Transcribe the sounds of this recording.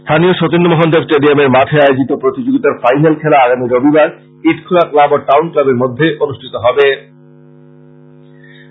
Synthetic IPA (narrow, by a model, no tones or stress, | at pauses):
st̪ʰanijoʃɔt̪enːɖomɔɦond̪obsʈeɖiameɾmat̪ʰaaeod͡ʑit̪opɾot̪id͡ʑoɡit̪aɾfajnalkʰɛlaaɡamiɾobibaɾ | iʈkʰolaklabɔɾʈawnklabeɾmod̪ʱːeʔonuʃʈʰit̪oɦɔbe